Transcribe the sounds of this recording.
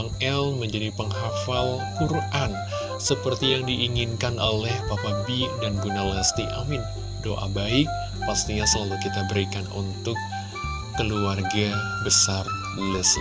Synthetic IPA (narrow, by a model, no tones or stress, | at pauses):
aŋɛlməɲd͡ʒadipəŋɦafalkuran | səpərt̪ijaŋdiʔːŋinkanʔolɛhpapabidanɡunalast̪iʔamɪn | doʔa̰baɪk̚ | past̪iɲasəlalukit̪abəɾikanṵnt̪ʊkː | əluarɡa | bəsarbuləs